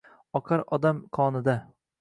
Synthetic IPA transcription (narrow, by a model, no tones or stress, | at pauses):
ɒqʰɑɾɒd̪amkʰɒnɪd̪a